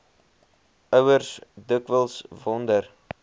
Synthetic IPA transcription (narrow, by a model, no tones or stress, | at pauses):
œwərsdəkvəlˠsvɔndər